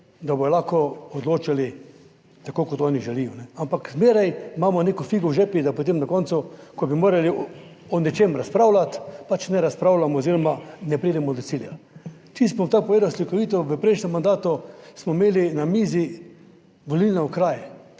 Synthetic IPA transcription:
d̪abɔjlaxkɔɔd̪loːt͡ʃali | t̪akoːkɔt̪ɔːniʒɛlijɔnɛampakzmeːɾajmaːmɔnekɔfiɡɔwʒɛpid̪apot̪emnakɔnsʊkɔbimoːɾali | ɔnɛt͡ʃemɾaspɾaːwlat̪pat͡ʃnɛɾaspɾaːwlamɔːziːɾɔmanɛpɾiːd̪ɛmɔd̪ɔsilja | t̪isbot̪aːpɔʋeːd̪awslikɔʋiːt̪ɔʋəpɾeʃnʲɛmːand̪aːt̪ɔsmɔimeːlinamiːzi | ʋolilnɛʊkɾaːjɛ

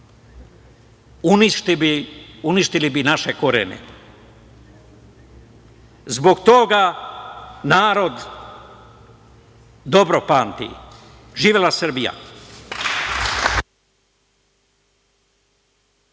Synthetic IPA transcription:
uniʃt̪biuniʃt̪ilibinaʃekoɾḛnḛ | zbo̞ɡt̪o̞ɡa | naːɾo̞d̪ | d̪o̞bɾopaːnt̪ḭ | ʒiːʋelasr̩bija̰

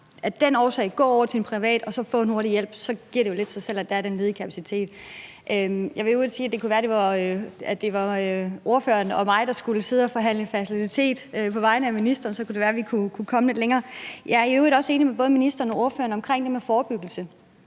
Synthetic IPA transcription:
ʔæd̥enɒːsɛ̰ɪɡ̥ɒ̰ːɒ̰ʊɐsʰinpʰʁiʋɛ̰ːd̥ɒ̽sɒ̽fɔ̰̽ːe̝nho̝ɐɾijel̰b̥sɒ̽ɡ̥iɐɾ̥ejo̝le̝d̥sɑsel̰æd̥ææɐɾ̥enle̝ðˠkʰæpʰæsit͡sʰe̝̰ːd̥ | ʔømjɑ̈ɪʋe̝øsiːæd̥e̝kuʋæːɐɾ̥e̝ʋɑ̈øæd̥e̝ʋɑ̈øʔo̝ɐføɐnɒ̽mɑ̈ɪɾ̥ɑ̈sɡ̥uləse̝ð̞̩ˠɒfɒ̽ɦæn̰ləfæsilidit͡sʰe̝̰ːd̥øpʰɒ̽ʋɑ̈ɪnəæminisd̥ɐːnsɒ̽kʰud̥e̝ʋæːɐʋikʰukʰukʰɒ̽məle̝d̥leŋɐːjʔɑ̈ɪɐiøʊʁidɒ̽se̝ːnimeb̥ɔ̽ːð̞̩ˠminisd̥ɐːn̩ɒ̽o̝ɐfø̰ːɐnɒ̽mkʰʁeŋ̰d̥emefɒːb̥yɡ̥l̩sə

